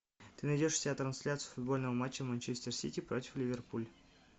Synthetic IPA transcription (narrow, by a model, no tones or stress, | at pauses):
t̪ɨnɐjdʲoʂfsʲɪat̪ɾɐnsʲlʲat̪sɨjʊfʊd̪̚bo̞lʲnəvəmat͡ɕːəvmənʲt͡ɕesʲt̪ʲɪrsʲitʲipɾotʲɪ̥flʲɪvʲerpulʲ